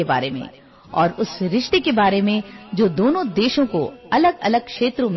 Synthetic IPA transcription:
eba̰ːɾemḛ̃ | ɔːɾʊsɾɪʃʈ̪ekebaːɾemẽd͡ʒoːd̪oːnõd̪eːʃõko̰ɐləɡɐ̰ləɡ̚kʃeːt̪ɾõm

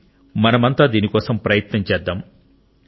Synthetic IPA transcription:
mɐnɐmɐnt̪aːd̪iːnikɔːsɐmpɾɐjɐt̪nɐɲt͡ʃɛːd̪ːaːm

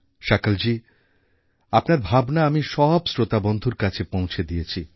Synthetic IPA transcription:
ʃakald͡ʑi | apnaɾbʱabnaamiʃɔbsɾot̪abond̪ʱuɾkat͡ɕʰepõw̃t͡ɕʰed̪ijet͡ɕʰi

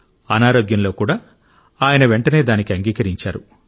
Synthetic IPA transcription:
ɐnaːɾo̞ːɡjɐnlo̞ːkuːɽaː | aːjɐnɐʋe̞ɳʈɐne̞ːd̪aːnikiɐŋɡiːkɐɾiɲt͡ʃa̰ːɾu

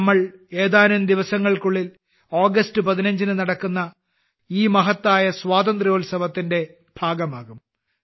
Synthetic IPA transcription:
mːɐɭe̞ːðaːnund̪iʋɐsɐŋːɐɭkuɭːil | oːɡɐstɨpɐðinɐɲd͡ʑinɨnɐɽɐkːunːɐ | iːmɐɦɐt̪ːaːjɐsʋaːd̪ɐnd̪rioːlsɐʋɐt̪ːinde̞ | b̥ʱaːɡɐmaːɣum

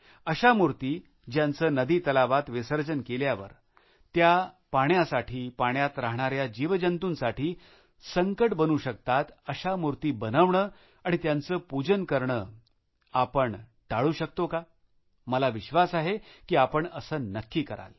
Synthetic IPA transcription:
əɕamuɾt̪iː | d͡ʑjãnt͡səːnəd̪iːt̪əlaʋat̪ʋesəɾd͡ʑənkeljaʋə̰ɾ | t̪ja | paɳjasaʈʰiːpaɳjat̪ɾaɦɳ̃aɾjad͡ʑiʋd͡ʑənt̪uːnsaʈʰiː | səŋkəʈbənuːɕəkt̪at̪əɕamuɾt̪iːbənəʋɳəː | aɽ̃it̪jant͡səːpud͡ʑənkəɾɳəː | apəɳʈaɭuːɕək̚t̪oka | məlaʋiɕʋasaɦekiːapəɳəsəːnəkːiːkəɾa̰l

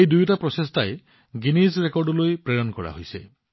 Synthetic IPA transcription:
ejd̪ujʈapɾɔsest̪ʰae | ɡinisɾekɔɾɖɔlujpɾeɾɔnkɔɾa̰ɦojsḛ

